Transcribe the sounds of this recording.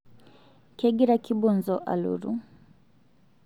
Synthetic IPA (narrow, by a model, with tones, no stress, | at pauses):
kɛ˦ɡi˦ɾa˦ki˦bɔ˦nzɔ˦ʔa̰˨lṵ˨ɾṵ˦